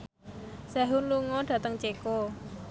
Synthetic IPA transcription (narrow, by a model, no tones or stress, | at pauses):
saɦʊnluŋɔɖ̥ä̤t̪əŋt͡ʃeko